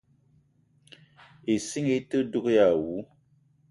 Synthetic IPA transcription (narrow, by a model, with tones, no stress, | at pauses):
e˨si˦ŋe˦tə˦du˦kja˨wu˨˦